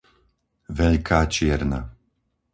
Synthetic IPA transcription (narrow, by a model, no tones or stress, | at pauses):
ʋɛʎkaːt͡ʃɪɛɾna̰